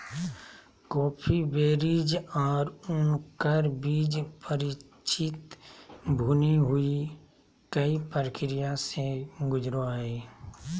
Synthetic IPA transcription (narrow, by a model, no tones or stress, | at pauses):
kɔːpʰibeːɾid͡ʒɔːɾʊnkəɾbiːd͡ʒpəɾɪ | t͡ʃɪt̪ | bʱuːniɦʊi | kəipəɾəkɾɪjaseɡʊd͡ʒɾoaːiː